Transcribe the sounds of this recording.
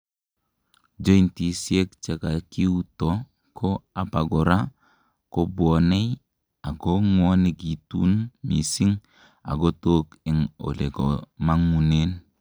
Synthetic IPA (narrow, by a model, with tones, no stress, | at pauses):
d͡ʒo˦i˦nti˨sje˦kt͡ʃe˨ka˨ki˦u˦tɔ˨ | kʰo˦a˨pa˨ɡɔ˨ɾa˦ | ko˦bwɔ˨nɛ˦ | a˨ɡo˦ŋwɔ˦ni˨ɡi˨tṵ˦nmḭ˨si˦ŋ | a̰˨ɡo˦to˦kɪ˨ŋo̰˨le˨ɡɔ˨ma˦ŋu˨ne˦n